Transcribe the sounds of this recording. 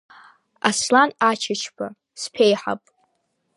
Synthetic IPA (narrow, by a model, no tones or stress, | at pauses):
aslanat͡ʃʰat͡ʃʰpʰa | spʰe̞jħa̰pʼ